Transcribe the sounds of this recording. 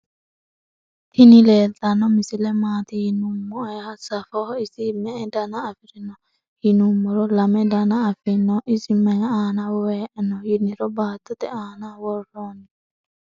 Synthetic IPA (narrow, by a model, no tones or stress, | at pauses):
t̪ʰinilɛtanɔmisilɛmat̪ijinumːɔhasafɔhisimɛːdanaːfiɾinɔ | hinumɔɾɔlamɛdanaːfɪnɔʔisimɛŋaanawwɛnɔjiniɾɔbaːtʊt̪ɛanawɔɾɔni